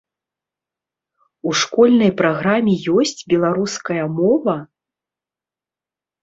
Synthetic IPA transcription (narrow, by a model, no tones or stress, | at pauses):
uʂkɔlʲnɐjpɾaɣɾamʲɛjɔsʲt͡sʲbʲɛlˠaɾuskɐjɐmɔvɐ